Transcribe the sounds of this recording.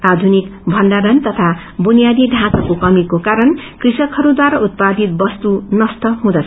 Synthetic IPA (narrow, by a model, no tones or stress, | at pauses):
rad̪ʱunikbʱʌnɖaɾʌnt̪ʌt̪ʰa | bunijad̪iɖʱãkʌkokʌmikokaɾʌnkrisʌkɦʌɾud̪waɾaut̪̚pad̪ʱit̪̚bʌst̪unʌst̪ʌɦũd̪ʌt͡sʰ